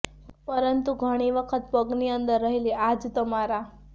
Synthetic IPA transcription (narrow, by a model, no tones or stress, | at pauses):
pəɾənt̪uɡʱəɽ̃iʋəkʰət̪pəɡniənt̪əɾːəɦiliʔad͡zt̪əmaɾa